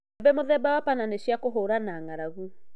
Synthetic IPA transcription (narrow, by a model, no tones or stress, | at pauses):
ɛbɛmoðɛbawapananeɕjakoɦoɾanaːŋaɾaɣu